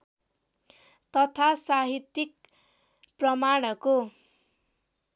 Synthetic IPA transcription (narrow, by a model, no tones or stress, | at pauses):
t̪ʌt̪ʰasaɦit̪ik̚ | prʌmaɽ̃ʌko